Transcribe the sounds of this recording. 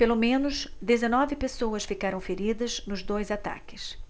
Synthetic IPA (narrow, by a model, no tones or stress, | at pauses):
pelomẽnʊʃd̪ezenɔvɪpesowɐsfikaɾɐ̃w̃feɾid̪ɐznʊzd̪ojzat̪a̰kɪs